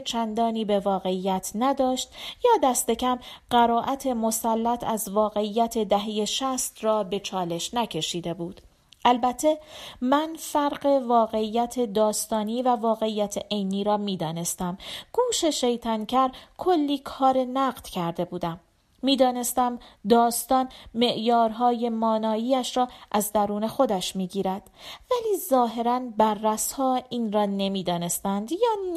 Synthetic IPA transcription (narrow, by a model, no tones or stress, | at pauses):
t͡ʃʰænd̪ɒːniːbe̞vɒːɣe̞ijæt̪ʰnæd̪ɒːʃt̪jɒːd̪æst̪e̞cʰæmɢ̥æɾɒːʔæt̪ʰe̞mo̞sælːæt̪ʰæzvɒːɣe̞iːjːæt̪ʰe̞d̪æɦejeʃæst̪rɒːbe̞t͡ʃʰɒːle̞ʃnæcʰe̞ʃiːd̪e̞buːd̪̥ | ʔælbæt̪ʰːe̞mænfæɾɢe̞vɒːɣe̞ijːæt̪ʰe̞d̪ɒːst̪ɒːniːvævɒːɣe̞iːjːæt̪ʰeʔejniːɾɒːmiːd̪ɒːne̞st̪æmɡ̥uːʃe̞ʃe̞jt̪ʰæncʰæɾkʰo̞lːiːkʰɒːɾe̞næɢd̪̥cʰæɾd̪e̞buːd̪æmː | iːd̪ɒːne̞st̪æmd̪ɒːst̪ɒːnme̞ʔjɒːɾɦɒːje̞mɒːnɒːiːæʃɾɒːʔæzd̪æɾuːne̞xo̞d̪æʃmiːɟiːɾæd̪̥væliːzɒːɦe̞ɾænbæɾːæshɒːiːnrɒːne̞miːd̪ɒːne̞st̪ænd̪jɒː